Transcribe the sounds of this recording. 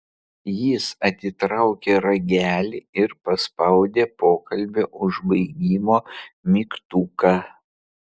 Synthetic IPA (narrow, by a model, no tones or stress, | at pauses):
jiːsɐt̪ʲɪt̪ɾɐʊkʲeːɾɐɡʲæːlʲiɪɾpɐspɐʊd̪ʲeːpoːkɐlʲbʲɛʔʊʒbɐɪɡʲiːmoːmʲikt̪uːkɑ